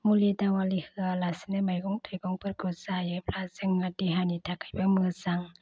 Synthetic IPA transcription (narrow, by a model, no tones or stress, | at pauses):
mulidaŋwalihɯalasinamajɡɔŋtʰajɡɔŋpʰɯɾ̚kɔsajɯpʰlazɯŋːadiɦanitʰakajbaŋmɯsaŋ